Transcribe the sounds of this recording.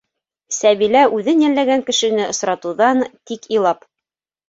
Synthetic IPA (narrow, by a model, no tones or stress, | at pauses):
sæβilæʉðɘnjælːæɡæŋkɘ̆ʃɘ̆nɘŏsɾɑt̪uðɑnt̪ikĭlˠɑp